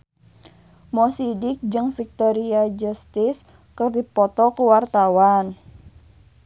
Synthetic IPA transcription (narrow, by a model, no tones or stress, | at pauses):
mɔsidɪk̚d͡ʒɨŋfik̚t̪ɔɾiad͡ʒust̪ɪs | kərdipɔt̪ɔkuwart̪awan